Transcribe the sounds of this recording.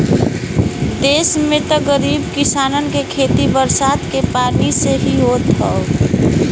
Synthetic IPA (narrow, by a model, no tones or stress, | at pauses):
d̪eːsmẽt̪ɔɡəɾiːbkɪsaːnənkekʰeːt̪ibəɾsaːd̪kepaːɾniseɦiɦot̪ɦəo